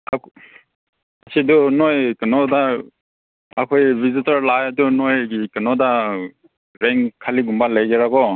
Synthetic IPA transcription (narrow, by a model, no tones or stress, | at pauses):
ak | asʰidunojkənɔda | akʰojbizitaɾlajadunojɡikənɔda | ɾeŋkʰaliɡumbaləjɡeɾaɡɔ